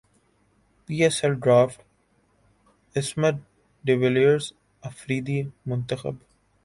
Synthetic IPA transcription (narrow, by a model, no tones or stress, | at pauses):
piːesɛlɖɾaːfʈ | ɪsməɾ | ɖɪʋeliəɾz | əfɾiːd̪iːmʊ̃nt̪əxə̰b